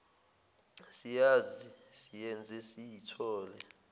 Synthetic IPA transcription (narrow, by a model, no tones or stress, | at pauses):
sijaːzisijɛnd͡zʱɛsijitʰɔːlɛ